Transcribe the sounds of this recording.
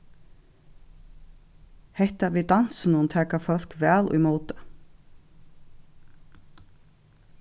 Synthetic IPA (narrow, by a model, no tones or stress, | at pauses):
hɛht̪avit̪an̥sɪnʊmt̪ʰɛːkafœl̥kvɛːlṵjmoːwt̪ḁ